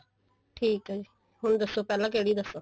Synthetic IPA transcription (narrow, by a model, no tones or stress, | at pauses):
ʈʰiːkɦd͡ʒiː | ɦʊɳ̃d̪əsːoːpɛːlãːk̬eːɽiːd̪əsːoː